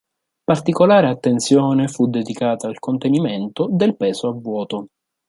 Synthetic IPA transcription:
part̪ikolaːɾeat̪ːent̪sjoːnefud̪ːed̪ikaːt̪aːlkont̪eniment̪od̪elpɛːzoavːwɔːt̪o

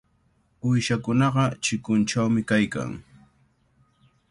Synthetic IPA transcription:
ʊjʃakʊnɑɢɑt͡ʃɪkʊnt͡ʃawmɪkajka̰ŋ

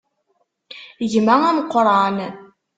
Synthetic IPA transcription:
ʝmæŋæmqːɾˤɑn

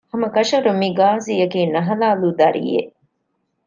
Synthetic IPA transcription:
hɐmɐkɐʃɐɾumiɡaːzijɐkiːnɐɦɐlaːlud̪ɐɾḭjḛʔ

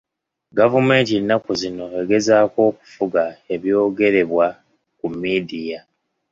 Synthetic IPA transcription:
ɡavume̞ːntinːakuzino̞e̞ɡe̞zaːko̞ːku̥fuɡae̞βjo̞ːɡe̞ɾe̞βwa | kumːidija

